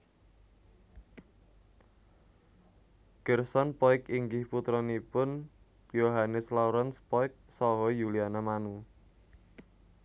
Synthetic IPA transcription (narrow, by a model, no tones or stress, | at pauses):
ɡ̥ərsɔnpɔɪkiŋɡɪhput̪ɾɔnipʊn | joɦanɛslauɾənspɔɪk̚sɔɦɔjulianamanu